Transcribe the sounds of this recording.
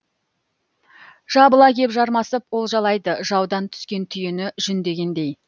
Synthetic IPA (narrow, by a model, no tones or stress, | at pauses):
ʒ̥ɑbəlˠɑkʲe̞pʒɑɾmɑsəpwo̞lˠʒɑlˠɑjd̪əʒɑwd̪ɑnt̪ʰʏ̥skʲe̞nt̪ʰʏjɪnɪʒ̥ʏnd̪e̞ɡʲe̞nd̪e̞j